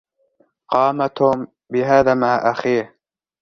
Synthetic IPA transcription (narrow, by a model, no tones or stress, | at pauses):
qɑːmat̪ʊm | bɪɦaːðaːmaʕʔaxiːh